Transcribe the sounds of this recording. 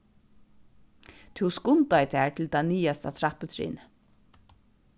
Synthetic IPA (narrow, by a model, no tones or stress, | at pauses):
t̪ʰɪwskʊnt̪ajt̪ʰɛːɹt̪ʰɪlt̪ʰaniːast̪at̪ʰɾapət̪ʰɾḭːnə